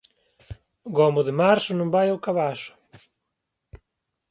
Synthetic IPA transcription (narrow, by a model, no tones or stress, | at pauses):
ɡɔmʊðɪmaɾsʊnũmbajawkaβaʃʊ̥